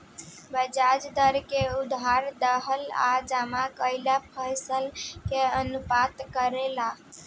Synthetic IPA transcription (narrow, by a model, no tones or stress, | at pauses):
bəd͡ʒad͡ʒd̪əɾkeud̪aɾd̪əɦəla̰d͡ʒamakəɪlapʰəjsəlkeənupat̪kəɾela